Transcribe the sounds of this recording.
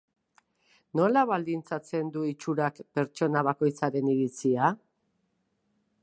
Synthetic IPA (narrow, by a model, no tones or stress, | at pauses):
no̞laβald̪int͡sat͡se̞nd̪uit͡ʃuɾakpe̞ɾt͡ʃo̞naβako̞jt͡saɾe̞niɾit͡sia